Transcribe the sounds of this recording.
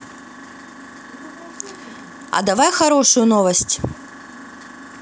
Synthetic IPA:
ɐ̰d̪ɐvajxɐɾoʂʊjʊnovɐsʲtʲ

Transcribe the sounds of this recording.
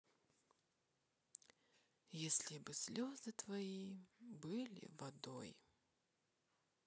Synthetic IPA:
jesʲlʲɪbɨsʲlʲozɨt̪vɐibɨlʲɪ̰vɐd̪o̰j

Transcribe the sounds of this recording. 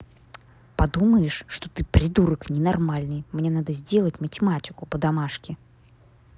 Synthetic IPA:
pad̪uməjɪʂʂt̪ɔt̪ɨpɾʲɪd̪uɾəknʲɛnarmalʲnɨjmnʲɛnad̪əzʲdʲelˠət͡sʲmətʲɪmatʲɪkʊpəd̪amaʂkʲɪ

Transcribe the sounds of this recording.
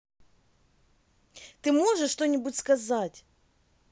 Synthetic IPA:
t̪ɨmo̞ʐɨʂʂt̪onʲɪbʊtʲskɐzatʲ

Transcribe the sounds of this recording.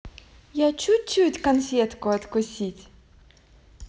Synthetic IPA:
jat͡ʃut͡ʃutʲkɔnfʲɛt̪kʊɐt̪kʊsʲitʲ

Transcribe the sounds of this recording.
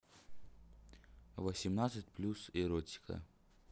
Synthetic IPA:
vəsʲimnat̪sɨtʲplʲusɪɾotʲi̥kə̰

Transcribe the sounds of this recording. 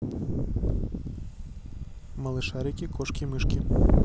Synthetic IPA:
mɐlˠɨʃaɾʲikʲikʰɔʂkʲimɪʃkʲi

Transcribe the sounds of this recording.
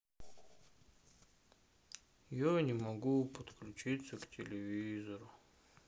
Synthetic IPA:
janʲɪmɐɡupət̪klʲʉt͡ɕit̪səktʲɪlʲɪvʲizəɾʊ

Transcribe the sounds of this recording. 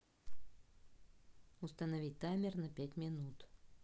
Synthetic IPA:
ʊst̪ənɐvʲit̚ʲt̪amʲɪrnɐpʲætʲmʲɪnut̪

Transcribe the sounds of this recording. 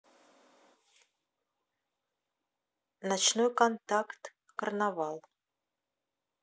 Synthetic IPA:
nɑt͡ʃnojkont̪akt̪ | kərnɑvɑlˠ

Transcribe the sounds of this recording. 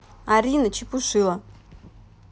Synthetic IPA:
aɾʲinət͡ɕipʊʂɨlˠə

